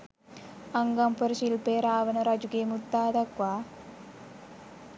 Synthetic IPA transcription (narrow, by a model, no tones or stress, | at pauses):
ɐŋɡɐmpɐɾʃilpeːɾaːʋɐnɐɾɐd͡ʒuɡeːmut̪ːaːd̪ɐkʋaː